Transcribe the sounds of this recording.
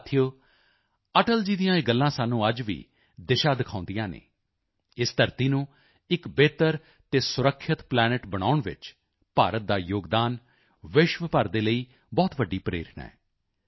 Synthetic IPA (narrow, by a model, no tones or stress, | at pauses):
t̪ʰijoː | əʈəld͡ʒiːd̪ijãːɪɡəlːãːsaːnːũːəd͡ʒʋḭː | d̪ɪʃaːd̪ɪkʰãːnd̪ijãːnḛː | ɪst̪əɾt̪iːnũː | ɪkbeːt̪əɾ | t̪eːsʊɾəkʰːɪt̪plɛːnɪʈbəɽ̃a̰ːʊɳʋɪ̰t͡ʃ | paːɾət̪̚d̪aːjoːɡd̪aːn | ʋɪʃʋəpəɾd̪eːləiː | bɔːt̪ʋəɖːiːpɾḛːɾʰɳɛ̰ː